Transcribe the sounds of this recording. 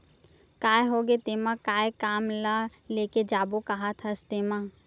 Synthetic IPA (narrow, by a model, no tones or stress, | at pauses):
kaːeɦoːɡet̪eːmãkaːekaːmlaleːked͡ʒaːbokaɦat̪ʰast̪eːmaː